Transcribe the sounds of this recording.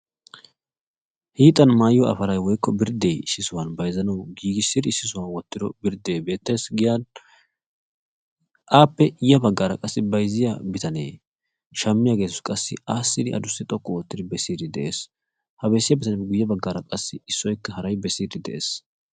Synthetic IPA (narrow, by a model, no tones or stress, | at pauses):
hiːt̪ʼːɐnmaːjjɔɐ̰fɐɾɐjwɔjkːɔbɪɾd̪ejɪsːɪsʊwɐnbɐjzɐnɐwɡiːɡɪsːɪd̪ɪɪsːɪsʊwɐnwɔt̪ːɪd̪ɔbɪɾd̪eːbe̞ːt̪ːe̞ːsɡɪjan | ʔaːpːɛʔɪjɐbɐɡːaːɾɐ̰kʼɐsːɪbɐjzɪjabɪt̪ɐneː | ʃɐmːɪjaɡe̞ːt̪ʊskʼɐsːɪ̰aːsːɪd̪ɪʔɐ̰d̪ʊsːɪt̪ʼɔkʼːɔoːt̪ːɪd̪ɪbɛsiːd̪ɪd̪ɛʔeːs | hɐbɛsːɪjabɪt̪ɐnɡʊjːɐbɐɡːaːɾɐkʼɐsːɪɪsːɔjkːɐhɐɾɐjbɛsiːd̪ɪd̪ɛʔḛːs